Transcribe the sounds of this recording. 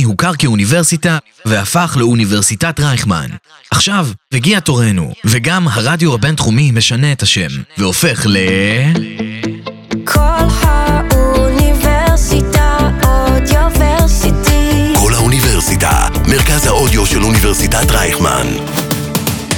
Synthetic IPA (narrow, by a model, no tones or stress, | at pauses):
ihukaʁkeuniveʁsita | veafaχleuniveʁsitatʁajχma̰nʔaχʃavveɡiato̞ʁe̞nṵveɡamɦaʁadjohabe̞ntχumime̞ʃane̞ːthaʃe̞mveo̞fe̞χle̞ | kʰolhauniveʁsitaodjoveʁsitikʰo̞lhauniveʁsita̰meʁkazhaodjoʃeluniveʁsitatʁajχma̰n